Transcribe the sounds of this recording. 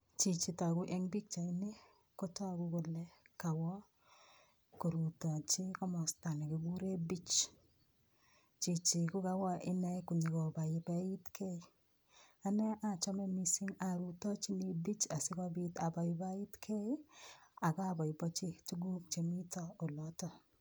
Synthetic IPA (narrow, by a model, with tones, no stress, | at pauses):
t͡ʃi˨t͡ʃi˨ta˨ɡu˦ʔɛ˦ŋbi˦k̚t͡ʃa˨ini˦ | ko˦tɔ˦˨ɡu˦ɡo˨lɛ˦ka˨wɔ˦ | ko˨ɾu˨tɔ˨t͡ʃɪ˦kɔ˦mɔ˨sta˨nɛ˨ki˨ɡu˦ɾe˦bi˦t͡ʃ | t͡ʃi˨t͡ʃi˨ku˦ka˦wɔ˦ʔɪ˦nɛ˦ku˨ɲi˨kɔ˨ba˨jɪ˨ba˨i˦tkʰe˦˨ | a˨nɛ˦ʔa˨t͡ʃɔ˦mɛ˦mi˨si˦ŋa˨ɾu˨tɔ˦t͡ʃi˦ni˦bi˦t͡ʃa˨sɪ˦kɔ˦bi˦ta˨ba˨jɪ˨ba˦i˦tkʰe˦a˨ɡa˦a˨bɔ˨ɪ˨bɔ˦t͡ʃi˦tu˦ɡu˦kt͡ʃe˨mi˦tɔ˦o˨lɔ˦tɔ˦˨